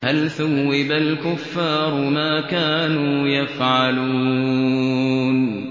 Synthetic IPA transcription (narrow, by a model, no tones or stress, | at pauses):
halθawːɪbalkʊfːɑːɾˤmaːkaːnuːjafʕaluː | n